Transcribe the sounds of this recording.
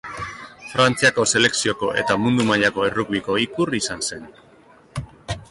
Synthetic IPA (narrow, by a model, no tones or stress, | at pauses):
fɾant͡siako̞se̞le̞ksio̞ko̞ʔe̞̰t̪amund̪umaʎako̞eruɣβiko̞ikurisanse̞n